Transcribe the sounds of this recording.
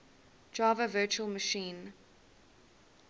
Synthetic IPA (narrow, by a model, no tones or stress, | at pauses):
d͡ʒɑːvəvɜːˑt͡ʃuəlˠməʃĩːn